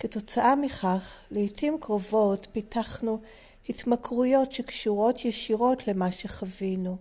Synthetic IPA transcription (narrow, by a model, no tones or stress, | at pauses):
keto̞t͡saʔamiχaχleitʰimkʁo̞vo̞tpitʰaχnu | hitmakʁujo̞tʃekʃuʁo̞tʰjeʃiʁo̞tlemaʃeχavinu